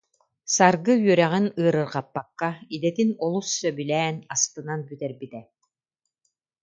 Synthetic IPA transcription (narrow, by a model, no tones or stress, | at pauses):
saɾɡɯɥœɾɛʁinɯːɾɯɾqapːakːaid̪ɛt̪inɔlˠusːœbylɛːnast̪ɯnanbyt̪ɛɾbit̪ɛ